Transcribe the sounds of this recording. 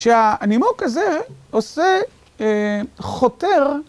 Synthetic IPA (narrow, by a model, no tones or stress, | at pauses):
ʃeanimokazeose | χoteʁ